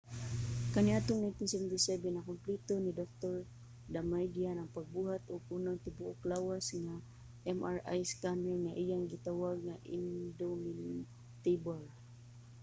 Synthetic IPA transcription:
kanɪat̪oŋnajnt̪ɪnsɛvɛnt̪ɪsɛbɛnːɐkʊmplit̪onid̪ok̚t̪oɹ | d̪amajd̪ianɐŋpaɡ̚buːɦat̪ʔoɡ̚unaŋt̪ɪbuʔoklaːwasŋa | ʔɛmʔaɹa̰jskamaŋaʔijaŋɡɪt̪awaɡ̚ŋaʔɪ̰nd̪omɪn | t̪ejbal

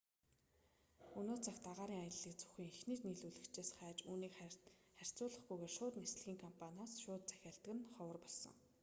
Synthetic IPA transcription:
unoːt͡sʰaxt̪aʁaːɾiːŋajə̆ɮiːk̚t͡sʰɵ̥xiːŋixniːt̪niːɮuɮɘ̆kt͡ɕeːsχæːt͡ɕuːniːkχær̥ʲt͡sʊːɮə̆χɡujɣeːʃʊːt̪nes̆ɮɣʲiːŋkʰɔmpʰanʲaːsʃʊːt̪̚t͡sæ̥xʲaːɬt̪ɘ̆ɣɘ̆nχɔwə̆rpɔɮsɞ̰̆ŋ

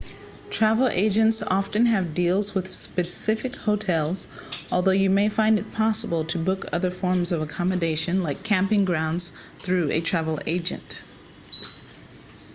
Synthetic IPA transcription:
tʰɹ̥ævl̩ˠḛɪd͡ʒɨ̃ntsɑfɨ̃nɨvdilˠzwɨð̥spɨsɪfɨkhoʊtʰɛlˠz̥ | ʔɔlˠðoʊjɨmeɪfãɪ̃ndɨt̚pʰɑsəbl̩ˠtʰɨbʊkʰʌ̰ðə˞fɔɹmzʌvəkʰɑmɨdeɪʃɨ̃nlaɪkʰæ̃mpɪ̃ŋɡɹãʊ̃ndz̥ | θɹʉɨ̰tʰɹ̥ævl̩ˠḛɪd͡ʒɨ̰̃nt

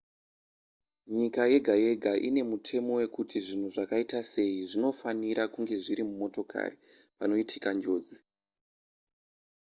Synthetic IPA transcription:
ɲikaje̞ɡʱaje̞ɡʱaʔine̞mutʰe̞mo̞we̞kutiʐin̤uʐakaitase̞iʐino̞faniɾakuŋɡe̞ʐiɾimumo̞to̞kʰa̰ri | pano̞itʰikand͡ʒo̞ːd͡zi

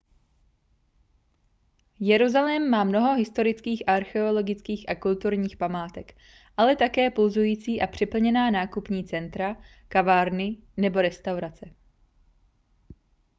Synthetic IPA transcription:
jɛɾuzalɛːmːaːmno̞ɦo̞ɦɪst̪o̞ɾɪt͡skiːxʔaɾxɛo̞lo̞ɡɪt͡skiːxʔakult̪uɾɲiːxpamaːt̪ɛk | ʔalɛt̪akɛːpulzujiːt͡siːʔapr̝̥ɪpl̩ɲɛnaːnaːkupɲiːt͡sɛnt̪ɾa | kavaːɾnɪnɛbo̞ɾɛst̪awɾat͡sɛ

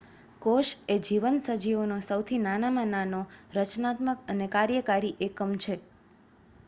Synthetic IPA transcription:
koʃed͡ʒiʋənsəd͡ʒiʋonosəwt̪ʰinanamãnanoɾət͡ʃnat̪məkənekaɾjəkaɾiʔekəmt͡ʃʰe

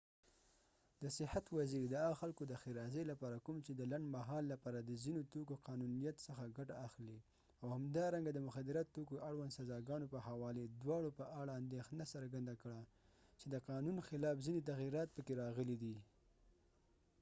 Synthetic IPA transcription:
d̪əsɪhat̪waziɾd̪əaɣaxalkod̪əxiɾɑzelapɑɾakumt͡ʃed̪əlaɳɖmaɦɑlːapɑɾad̪əzinot̪okoqɑnunijat̪səxaɡaʈaːxle | awhamd̪ɑɾaŋɡad̪əmʊxad̪ɪɾat̪ːokoʔaɽwand̪sazɑɡɑnopəhawɑled̪wɑɽopəʔaɽaːnd̪exnasaɾɡand̪akɽa | t͡ʃed̪əqɑnunxɪlɑfzinet̪̬aɣiɾɑt̪̚pəkeɾɑɣəlid̪i

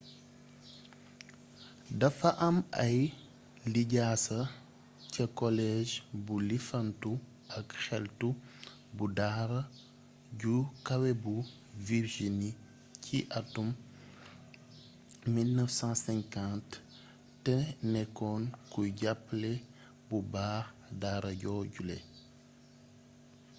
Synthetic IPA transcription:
dɐfɐʔɐmɐj | liɟaːsɐ | cɐkɔlɛʒbulifɐntu | ʔɐkxɛltu | budaːɾɐ | ɟukɐwɛbu | viɾʒini | cʰiʔɐtum | ilnəfsɑ̃ːsɛ̃ŋkãntː | ɛnɛkɔnkujɟapːlɛ | bubaː | daːɾɐɟɔːɟulɛ̰

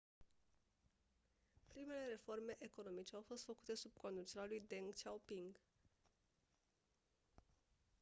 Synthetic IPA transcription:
pɾime̞le̞ɾe̞fo̞rme̞ʔeko̞no̞mit͡ʃe̞awfo̞st̪fəku̥t̪e̞sub̚ko̞nd̪ut͡ʃe̞ɾalujd̪eŋɡt͡ʃawpiŋɡ

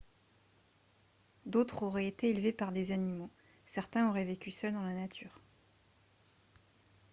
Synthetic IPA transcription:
d̪ot̪χɔʁɛet̪eːlvepaʁd̪ezanimo | sɛʁt̪ɛ̃oʁɛvekʲysœld̪ɑ̃lanat̪ʰyːʁ

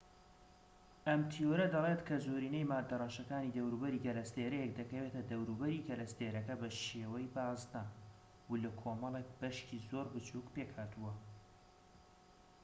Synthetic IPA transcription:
ɐmt̪ʰijoɾɐd̪ɐlet̪kʰɐzoːɾiːnejmaːd̪ɐrˤɑːʃɐkaːnid̪ɐwɾubɐɾiːɡɐlɐst̪eːɾɛjɛk̚d̪ɐkɐwet̪ɐd̪ɐwɾuːbɐɾiɡɐlɐst̪eːɾɐkɐbɐʃeːwɐjbaːznɐ | ulɐkʰomɐlˠek̚b̥ɐʃcizo̞ɾbɨt͡ʃʰukpekhaːt̪uwɐ

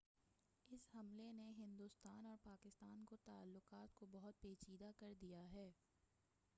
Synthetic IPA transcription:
ɪshɐmleneɦɪ̃nd̪uːst̪aːnɔːɾpaːkɪst̪aːnkot̪aːlːʊqaːt̪kobɐɦʊt̪̚peːt͡ʃiːd̪akɐɾd̪ijaɦɛː

